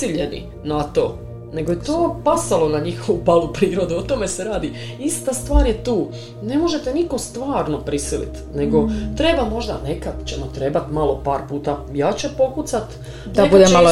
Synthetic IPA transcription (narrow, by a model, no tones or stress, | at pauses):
iʎe̞nḭ | nat̪o̞̰ː | ne̞ɡojet̪oːpasalˠo̞naɲixoʋupalˠupɾiːɾo̞d̪uot̪o̞me̞se̞ɾaːd̪i | ist̪ast̪ʋaːɾjet̪uː | ne̞mo̞ʒe̞t̪eniko̞st̪ʋaːɾno̞pɾisilḭt̪ne̞ɡo̞t̪ɾe̞bamo̞ʒd̪ane̞kad̪t͡ɕemat̪ɾe̞bat̪malo̞paːɾpuːt̪ajaːt͡ɕepo̞kut̪sat̪ | d̪abud̪emalo